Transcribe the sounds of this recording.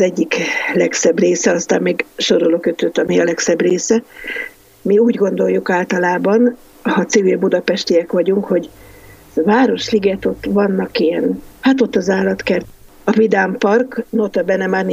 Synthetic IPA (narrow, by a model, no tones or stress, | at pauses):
zɛɟːiklɛksɛbreːsɛɒst̪aːmmiːɡʃo̞ɾolokøt̪øt̪ːɒmiɒlɛksɛbreːsɛ | miuːɟɡo̞nd̪o̞jːukaːlt̪ɒlaːbɒn | hɒt̪sivilbud̪ɒpɛʃt̪ijɛkʋɒɟuŋkho̞ɟ | vaːɾo̞ʃliɡɛt̪o̞t̪ːvɒnːɒkiɛnhat̪o̞t̪ːɒzaːlɒt̪kɛl | ɒvid̪aːmpɒrknot̪ɒbɛnɛmaːrn